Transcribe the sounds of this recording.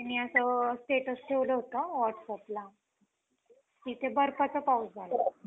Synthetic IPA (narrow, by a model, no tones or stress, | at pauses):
t̪anːiəsəsʈeʈəsʈʰeʋləɦot̪əʋɔʈsapla | k̪it̪ebəɾpat͡səpausd͡zʱalə